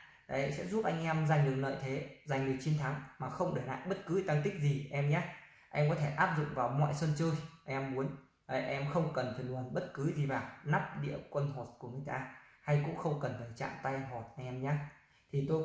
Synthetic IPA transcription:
ɗə̰˧˨˦sɛ̰˧˥zu˦˥p̚ʔa˧jŋ̟ʔɛ˧mza˨˩jŋ̟ɗɨ˨˩ək̚lə̰ː˧˨jt̪ʰe˨˦za˨˩ŋ̟ɗɨ˨˩ək̚t͡ɕi˨˧ənt̪ʰa˨˦ŋmaː˨˩xə˧wŋ͡mɗɨː˨˩na̰ː˧˨ŋɓə˦˥t̚kɨ˨˦t̪a˧ŋt̪ï˦˥k̟̚zi˨˩ʔɛ˧mɲaː˦ | ʔɛ˧mkɔ˨˦t̪ʰe˧˩ʔaː˦˥p̚zʊ̰˧˨ŋ͡mvaː˨˩wmɔ̰˧˨jswə˧nt͡ɕɨ˧jʔʔɛ˧mmu˨˦ən | ʔə˨˩ʔɛ˧mxə˧wŋ͡mkə˨˩nfaː˨˩jlu˨˩nɓə˦˥t̚kɨ˨˦zi˨˩vaː˨˩wna˦˥p̚ɗḭ˧˨əwkwə˧nɦo˨˩t̚ku˧˩əŋɨ˨˩əjt̪aː˧ha˧jkʊ̰˧˥ŋ͡mxə˧wŋ͡mkə˨˩nfaː˧˩jt͡ɕa̰ː˧˨mt̪a˧jɦo˨˩t̚ʔa˧jŋ̟ʔɛ˧mɲaː˨˦˥ | t̪ʰi˨˩t̪o˧

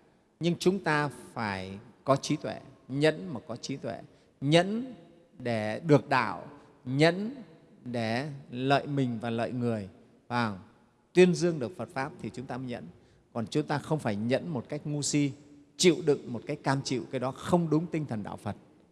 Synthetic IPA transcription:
ɲɨ˧ŋt͡ɕʊ˨˦ŋ͡mt̪aː˧faː˧˩jkɔ˨˦t͡ɕi˨˦t̪we˧˩ɲə̰˧˥nməː˨˩kɔ˨˦t͡ɕi˨˦t̪wḛ˧˩˨ | ɲə̰˧˥n | ɗe˧˩ɗɨ˨˩ək̚ɗa̰ː˧˨w | ɲə̰˧˥n | ɗe˧˩lə̰ː˧˨jmï˨˩ŋ̟vaː˨˩lə̰ː˧˨jŋɨ˨˩əj | vaː˨˩ŋ | t̪wi˧ənzɨ˧əŋɗɨ˨˩ək̚fə˨˩t̚faː˦˥p̚t̪ʰi˨˩t͡ɕʊ˨˦ŋ͡mt̪aː˧məː˨˦ɲə̰˧˥n | kɔ˨˩nt͡ɕʊ˨˦ŋ͡mt̪aː˧xə˧wŋ͡mfaː˧˩jɲə̰˧˥nmo˨˩t̚ka˦˥jk̟̚ŋu˧si˧t͡ɕḭ˧˨wɗɨ̰˧˨ŋmo˨˩t̚kaː˨˦jk̚kaː˧mt͡ɕḭ˧˨wkaː˨˦jɗɔ˨˦xə˧wŋ͡mɗʊ˨˦ŋ͡mt̪ï˧ŋt̪ʰə˨˩nɗa̰ː˧˨wfə˨˩t̚

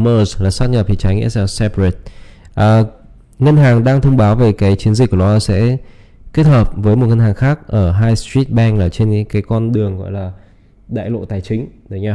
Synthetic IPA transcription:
məː˧˩zlaː˨˩sa˦˥t̚ɲə˨˩p̚t̪i˨˩t͡ɕa˨˦jŋḭ˧˥sɛ˧˨˩sɛ˧pe˨˩t̚ʔəː˨˩ | ŋə˧nɦaː˨˩ŋɗaː˧ŋt̪ʰə˧wŋ͡mɓaː˨˦wve˨˩kaː˨˦jt͡ɕi˨˦ənzi̟˨˩kːɗɔ˨˦˨sɛ̰˧˥ | ki˦˥t̚həː˨˩p̚vəː˨˦jmo˨˩t̚ŋə˧nhaː˨˩ŋxaː˦˥k̚ʔəː˧˩ɦaː˧jst̪ɹi˦˥t̚ɓɛ˧ŋlaː˨˩t͡ɕe˧nkaː˨˦jkɔ˧nɗɨ˨˩əŋɣɔ̰˧˨jlaː˨˩ | ɗa̰ː˧˨jlo̰˧˨t̪aː˨˩jt͡ɕï˨˦ŋ̟ɗ̪ə˨˦jɲaː˧˩

